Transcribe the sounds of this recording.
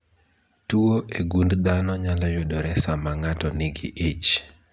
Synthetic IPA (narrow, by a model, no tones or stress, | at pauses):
tuoʔeɡundd̪anɔɲalajodoɾɛsamaŋatɔnɪɡɪ̰ʔit͡ʃ